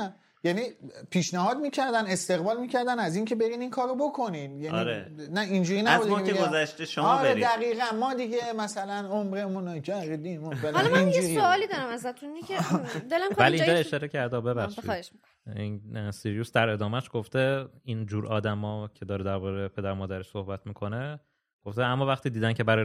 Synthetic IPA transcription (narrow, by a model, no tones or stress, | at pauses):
jæniːpʰiːʃnæɦɒːd̪miːcʰæɾd̪æne̞st̪e̞ɣbɒːlmiːcʰæɾd̪ænæziːncʰe̞be̞ɾiːninkʰɒːɾobo̞kʰo̞nid̪jænɾenæind͡ʒuːɾiːnææbud̪eeæɡozæʃt̪eʃomɒːɾeɾid̪æɣiːɣænmɒːd̪iɟe̞mæsælænomɾemũnd͡ʒæʁid̪imuvælliind͡ʒuɾisoɒːlid̪ɒɾamæzat̪ʰunmiæd̪elamvælind͡ʒɒeʃɒːɾecʰæɾd̪ɒbebæʃḭːd̪eʃk | insiɾiusd̪æɾe̞d̪ɒːmæʃɡ̥oft̪eind͡ʒuːɾʔɒːd̪æmɒːcʰe̞d̪ɒːɾed̪æɾbɒːɾepʰed̪æɾmɒːd̪æɾeʃsohbæt̪ʰmiːkʰo̞ne̞ | ɡ̥oft̪eæmːɒːvæχt̪iːd̪iːd̪æncʰe̞bæɾɒ